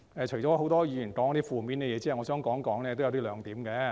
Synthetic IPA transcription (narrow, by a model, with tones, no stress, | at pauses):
ɛː˨t͡ʃʰɵ˨˩jt͡ʃɔː˨˥ho˨˥wt̪ɔː˥jiː˨˧jy˨˩nkɔː˨˥ŋ˥˧˥t̪iː˥fuː˨˧miː˨˥nkɛ˧jɛː˨˧t͡siː˥˨˩ŋɔː˨˧sœː˥ŋkɔː˨˥ŋkɔː˨˥ŋlɛː˥˧to˥wjɐ˧wt̪i˥lœː˨˧ŋt̪iː˨˥mkɛː˧